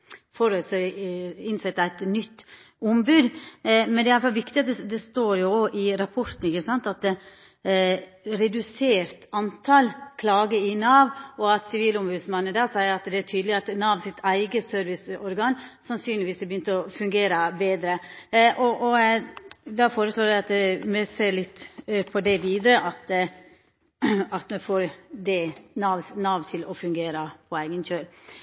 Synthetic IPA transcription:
fɔɾøs | ɪnsɛt̪ːæɪt̪nʏt̪ː | ʊmbʉːd̪mɛnd̪ɛjɑlfɑlʋɪkt̪ɪɑt̪d̪ɛd̪ɛst̪oːɾjʊoʔɪɾɑpʰɔɾt̪n̩ɪçəsɑnt̪ɑt̪̚d̪ɛ | ɾɛd̪ʉseːɾt̪ɑnt̪ʰɑlkʰlɑːɡəɪnɑːʋɔɑt̪sɪʋiːlʊmbʉːd̪smɑnːəd̪ɑːsæɪəɾɑt̪d̪ɛæʈʰyːd̪əlɪɑt̪nɑːʋsɪt̪ʰæɪɡəsøːɾʋɪsɔɾɡɑːnsɑnsyːnlɪʋiːsɛbəjʏnt̪əɔfʉŋɡeːɾəbeːd̪ɾəʔɔʔɔ | d̪ɑfoːɾəsloːdæɪɑt̪mɛseːɾlɪt̪ːpʰɔd̪ɛʋiːd̪ɾəʔɑt̪ | ɑt̪mɛfoːɾd̪ɛnɑːʋnɑːʋt̪ʰɪlɔfʉŋɡeːɾəpʰɔæɪɡənçøːɾ

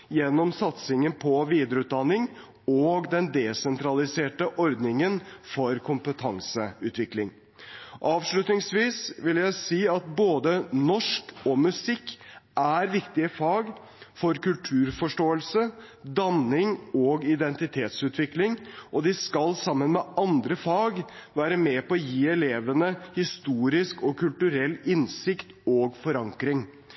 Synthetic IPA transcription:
jɛnːɔmsɑt̪sɪŋənpʰɔʋiːd̪əɾəʉːt̪̚d̪ɑnːɪŋ | ɔɡd̪ɛnd̪ɛsɛnt̪ʰɾɑlɪseːʈəʔɔɾd̪nɪŋənfɔɾkʰʊmpət̪ʰɑŋsəʉːt̪ʰʋɪklɪŋ | ʔɑːʋʂɭʉt̪nɪŋsʋiːsʋɪljæɪsiːɑt̪̚boːd̪ənɔʂkɔmʉsɪkːʔæɾʋɪkt̪ɪəfɑːɡ | fɔɾkʉlt̪ʰʉːɾfɔʂʈoːəlsə | d̪ɑnɪŋɔɡɪd̪ɛnt̪ɪt̪ʰeːt̪sʉːt̪ʋɪklɪŋɔd̪ɪskɑlsɑmːənmɛʔɑnd̪ɾəfɑːɡʋæːɾəmɛpɔɔjiːɛleːʋənəhɪst̪uːɾɪskɔkʰʉlt̪ʉɾɛlːɪnsɪkt̪ɔːɡfɔɾɑŋkɾɪŋ

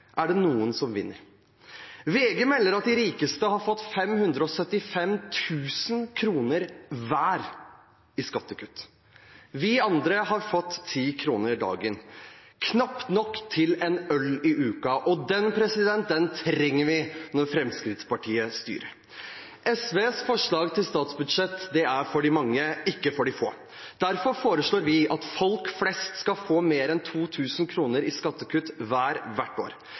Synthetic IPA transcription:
ʔæɖɛnuːənsɔmʋɪ̰nːə̰ɾ | ʋeːɡəmɛlːəɾɑt̪̚d̪ɪɾiːkəst̪əhɑɾfɔt̪ːfɛmhʉnd̪ɾəɔsœt̪ːɪfɛmt̪ʰʉːsənkʰɾuːnəɾʋæːɾ | ɪskɑt̪ːəkʰʉt̪ː | ʋɪɑnd̪ɾəɦɑɾfɔt̪ʰːiːkʰɾuːnəɾd̪ɑ̰ːɡɪn | kʰnɑpnɔkːt̪ʰɪlɛnœlɪʔʉːkɑʔɔd̪ɛnpʰɾɛsɪd̪ɛnt̪̚d̪ɛnt̪ʰɾɛŋːəɾʋɪnɔɾfɾɛmskɾɪt̪spɑʈʰiːəst̪y̰ːɾəɾ | ʔɛsʋeːsfɔʂɭɑːɡt̪ʰɪlst̪ɑːt̪sbʉd̪ʂɛt̪ːd̪ɛæɾfɔɖɪmɑŋːəɪkːəfɔɖɪfo̰ː | d̪̥æɾfɔɾfoːɾəʂɭoːɾʋɪʔɑt̪fɔlkflɛst̪skɑlfoːmeːɾɛnt̪ʰuːt̪ʰʉːsənkʰɾuːnəɾɪskɑt̪ːəkʉt̪ʋæːɾʋæʈːo̰ːɾ

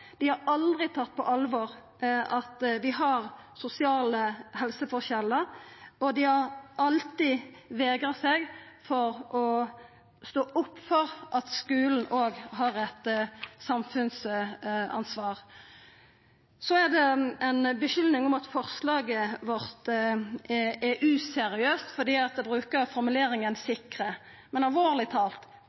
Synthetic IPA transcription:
d̪̥ɪhɑɾɑld̪ɾɪt̪ʰɑt̪̚ːpʰɔʔɑlʋɔːʁ | ʔɑt̪ʋɪɦɑʁ | sʊsɪɑːləhɛlsəfɔʁçɛlːəɾɔd̪ɪhɑʁɑlt̪ɪʋeːɡʁɑsɛɡfɔɾʔɔ | st̪oːʔʊpːfɔɾʔɑt̪skʉːln̩ʔoːɡɦɑːʁɛt̪sɑmfʉns | ɑ̰nsʋɑːʁ | sɔæʁd̪ɛɛnbəʃʏlnɪŋɔmɑt̪fɔʁslɑːɡəʋɔɾt̪ | ʔɛʔʉːsɛɾɪøːst̪fɔd̪iːɑt̪̚d̪ɛbɾʉːkəɾfɔɾmʉleːɾɪŋənsɪkʁə | mɛnɑlʋoːʁlɪt̪ʰɑːlt̪

